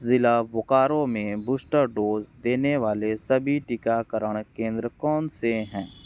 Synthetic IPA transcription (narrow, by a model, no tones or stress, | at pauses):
zɪlabʊkaːɾõmẽbʊsʈəɾɖoːzd̪eːneʋaːlesəbʱiʈɪkakəɾəɽ̃kẽːnd̪ɾəkɔːnseɦɛ̃ː